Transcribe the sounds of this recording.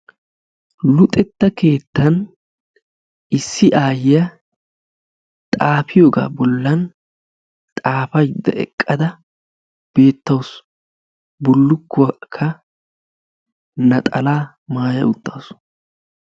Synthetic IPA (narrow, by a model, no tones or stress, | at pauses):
lʊt̪ʼɛt̪ːɐke̞ːt̪ːɐn | ɪsːɪʔaːjɐ | t̪ʼaːfɪjoːɡa̰ːbɔlːɐn | t̪ʼaːfɐjd̪ːɐ̰ɛ̰kʼːɐd̪ɐ | b̥e̞ːt̪ːɐws | bʊlːʊkːʊkʰːɐ | nɐt̪ʼɐlaː | maːjɐ̰ʊt̪ːaːsʊ̥